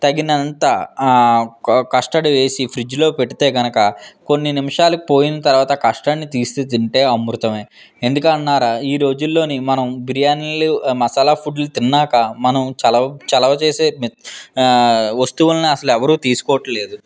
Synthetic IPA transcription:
t̪ɐɡinɐnt̪ɐ | kɐʂʈɐɽiʋe̞ːsipʰɾid͡ʒlo̞ːpeʈːit̪e̞ːɡɐnɐkɐko̞nːinimɐʂaːlɐki̥po̞ːjinɐt̪ɐɾuʋaːt̪ɐkɐʂʈɐɳːit̪iːst̪eːt̪iɳʈe̞ːɐmɾut̪ɐme̞ː | end̪ukɐɳnːaːɾaːiːɾo̞ːd͡ʒulːo̞ːnimɐnɐmbiɾijaːnlimɐsalapʰuɖlut̪inːaːkɐmɐnɐmt͡ʃɐlɐt͡ʃɐlɐʋɐt͡ʃe̞ːse̞ːm | ʋɐst̪uʋɐlɐniɐsɐluɛʋɐɾuːt̪iːsu̥kɔːwɐʈːɐle̞ːd̪u

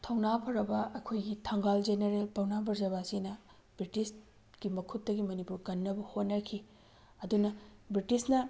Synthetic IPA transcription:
tʰɐwnapʰɐɾɐbɐʔɐkʰojɡitʰɐŋɡald͡ʒeneɾelpɐwnabʱɐɾzɐβasinɐ | bɾitis | ɡ̥imɐkʰutːɐɡimɐnipuɾkɐnːɐbɐhonːɐkʰi | ɐdunɐbɾitisnɐ

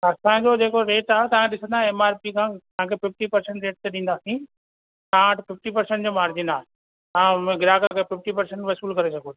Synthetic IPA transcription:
ɐɾsãːd͡ʑod͡ʑeːkoɾeːʈaːɦet̪ɐʋ̤ãkʰɗɪsə̃nd̪aɦɛ̃ɛmaːɾpikʰãːt̪ɐãkʰepɪfʈipɐɾsɛ̃ɳʈɾeːʈ̚t̪eɗĩːn̆d̪aːsĩ | t̪ɐãaːʈpɪfʈipɐɾsɛ̃ɳʈd͡ʑoːmaːɾd͡ʑɪnaːɦe | ãːɡɪɾaːkakʰepɪfʈipɐɾsə̃ɳʈʋɐsuːlkɐɾesɐɡʱoː

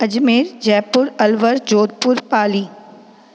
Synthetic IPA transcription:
ɐd͡ʒmeːɾd͡ʒɛːpʊɾɐlʋəɾd͡ʒoːd̪̚pʊɾpaːliː

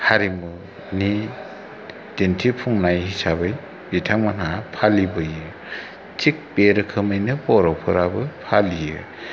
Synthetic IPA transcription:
haɾimɯ | ni | d̥entʰipʰuŋnajhisabɯj | bitʰaŋmanɦapʰalibɯjɯ | t͡ʃik̚peɾɯkʰɯmɯjnɯpɔɾɔpʰɯɾabɯpʰalijɯ

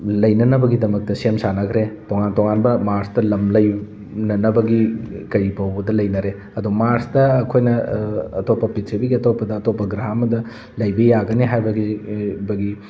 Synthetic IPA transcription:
lɐjnɐnɐbɐɡidɐmɐk̚tɐsemsanɐkʰɾetoŋantoŋanbɐmaɾstɐlɐmlɐj | nɐnɐbɐɡikɐɾipɐwbɐdɐlɐjnɐɾe | ɐdumaɾstɐɐkʰojnɐɐ̰topːɐpitʰibiɡiɐtʰopːɐdɐːtopːɐɡɾaɦɐmɐdɐ | lɐjbɐjaɡɐniɦajbɐɡibɐɡi

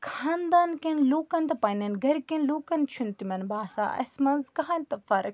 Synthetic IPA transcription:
kʰaːnd̪aːnkenloːkɐnt̪ɐpɐnɐnɡɐɾkenloːkɐnt͡ʃʰunt̪imɐnbaːsa̰ːɐ̰smɐnzkɐɦant̪ɐfɐɾɐk

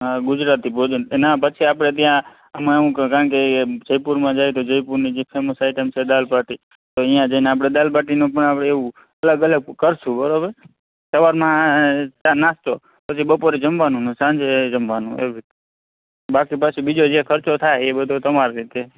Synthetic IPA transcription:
ɦaɡʊd͡ʒɾat̪ibod͡ʒnnapət͡ʃʰiapɽ̃et̪̬jã | əmãũkkaəɳk̬ed͡ʒəjpuɾmãd͡ʒajt̪od͡ʒəjpuɾnid͡ʒepʰeməsaɪʈemt͡ʃʰed̪alpaʈi | t̪oijãd͡ʒaineap̬ɽ̃ed̪alpaʈinũpəɳapɽeeũ | ələɡələɡ̚kəɾsũbəɾobəɾ | səʋaɾmãt͡ʃanast̪o | pət͡ʃʰibəpoɾed͡ʒəmʋanũnũsãnd͡ʒed͡ʒəmʋanṵ̃ḛʋi | bakipət͡ʃʰibid͡ʒod͡ʒekʰəɾt͡ʃot̪ʰajebəd̪ʱot̪əmaɾɾit̪e

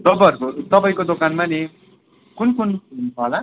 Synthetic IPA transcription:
t̪ʌpajʌɾukot̪ʌpaĩkod̪okanmane | kunkununt͡sʰʌɦola

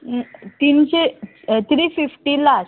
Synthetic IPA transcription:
t̪iːnɕe | t̪ʰɾiːfifʈila

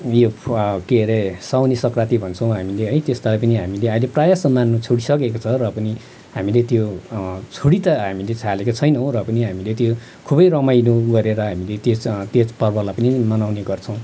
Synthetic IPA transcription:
jokeɾesawnesʌkrat̪ibʱʌnt͡sʰʌw̃ɦamileɦʌjt̪est̪alajpʌniɦamileaileprajasʌmːanːut͡sʰoɽisʌkekot͡sʰʌrʌpʌni | ɦamilet̪jot͡sʰoɽit̪ʌɦamilet͡sʰalekot͡sʰʌjnʌw̃rʌpʌniɦamilet̪jo | kʰubʌjrʌmajnuɡʌɾeɾʌɦamilet̪jot̪jepʌrbʱʌlapʌnimʌnawneɡʌrt͡sʰʌ̃w̃

